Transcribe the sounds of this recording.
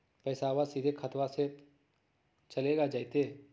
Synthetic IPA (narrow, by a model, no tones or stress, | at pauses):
pɛːsawasid̪ʱekʰɐt̪ʋase | t͡ʃɐleːɡad͡ʒaːit̪e